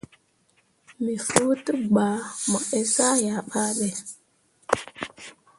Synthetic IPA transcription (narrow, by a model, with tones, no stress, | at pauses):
mi˨fu˦tə˦ɡ͡ba˨ma˨e˨sa˦ja˨ɓa˦ɗe˨